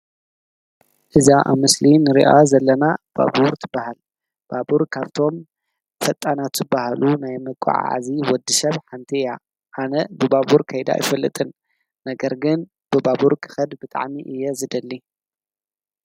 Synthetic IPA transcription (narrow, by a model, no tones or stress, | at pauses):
ʔɨzaʔa̰βmɨslinɨɾḭʔazɐlːɐnab̥a̰buɾt̪ʰɨbːahal | b̥abuɾkʰaβt̪ʰo̞m | fɐt̪ʼːanat̪z̥ɨbːahalunajmɨkʼṵʕa̰ʕa̰ziwɔd̪ɨsɐβħant̪ʰija | ʔanɐbɨbaβuɾkʰɐjd̪a̰jɪfɐlːɨt̪ʼɨnː | ɐɡɐɾɡɨn | b̥ɨbabuɾkʰɨ̥xɐd̪bɨt̪ʼa̰ʕmiʔɨjːɛzɨd̪ɐlːi